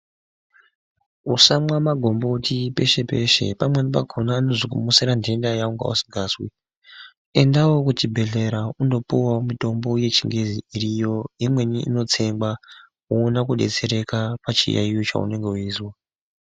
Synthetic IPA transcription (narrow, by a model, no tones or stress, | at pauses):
usamwamaɡʱo̞mbo̞tʰipe̞ʃe̞pe̞ʃe̞̰pamwenipa̰ɡʱonaːno̞zikumuseɾande̞ndajauŋɡa̰ṵsi̥ɡʱaːswi | e̞ndawokutibʱe̞ɮe̞ɾaundo̞puwamito̞mbo̞je̞t͡ʃiŋɡeziirijo̞imwe̞niḭno̞t͡se̞mba | uːnakuɗe̞̰t͡se̞ɾe̞kapat͡ʃḭja̰ijo̞t͡ʃa̰ṵne̞ŋɡe̞uiːswa